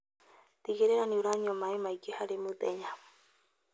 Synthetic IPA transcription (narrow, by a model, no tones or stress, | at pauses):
t̪iɡeɾeɾanĩuɾaɲomãemaikehaɾemɨt̪eɲa